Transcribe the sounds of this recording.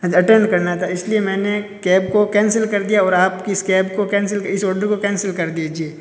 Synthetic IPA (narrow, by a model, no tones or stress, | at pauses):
d͡ʒɐʈɛ̃ɳɖkɐɾnat̪ʰaɪsliemɛ̃ːnekɛːb̚kokɛ̃ːnsəlkɐɾd̪ijaɔːɾaːpkiɪskɛːbkokɛ̃ːns̬əlɪsɔːɖəɾkokɛ̃ːnsɪlkɐɾd̪ied͡ʒie